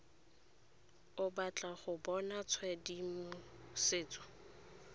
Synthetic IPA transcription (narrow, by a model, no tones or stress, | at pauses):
ʊbat͡ɬʼaχʊbɔnat͡sʰwɛdimʊ | seːt͡sʼɔ̥